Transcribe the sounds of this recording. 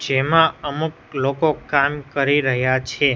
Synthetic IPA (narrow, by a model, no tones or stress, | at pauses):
d͡ʒemãəmuklokokamkəɾiɾəɦjat͡ʃʰe